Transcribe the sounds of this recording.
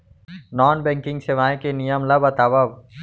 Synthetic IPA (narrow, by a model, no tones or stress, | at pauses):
nɔːnbɛ̃ŋkɪ̃ŋɡseʋaːẽkenijəmlɐbɐt̪aːbɐb